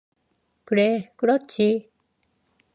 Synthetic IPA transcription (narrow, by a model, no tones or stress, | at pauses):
kɯɾekɯɾʌt͡ɕʰi